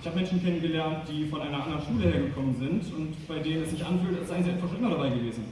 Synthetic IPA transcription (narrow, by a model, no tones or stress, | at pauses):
ɪçhaːbəmɛnʃn̩kʰɛnənɡəlɛɐnt̚d̥iːfɔnʔaɪnɐʔandəʁənʃuːləheːɐɡəkʰɔmənzɪntʊntb̥aɪdeːnənɛsz̥ɪçʔanfyːltɛsaɪɡŋzɪnfɐχʃʁ̥ɛŋɐɾabaɪɡəveːzn̩